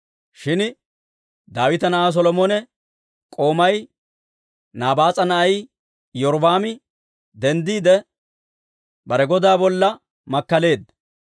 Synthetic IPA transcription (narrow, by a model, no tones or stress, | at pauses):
ʃɪn | d̪aːwɪt̪ɐnɐʔas̬ɔlɔmoːnɛ | kʼo̞ːmɐj | naːbaːt͡sʼɐnɐʔɐj | jɔɾbaːmɪ | d̪ɛnd̪iːd̪ɛ | bɐɾɛɡɔd̪aːbɔlːɐ | mɐkːɐle̞ːd̪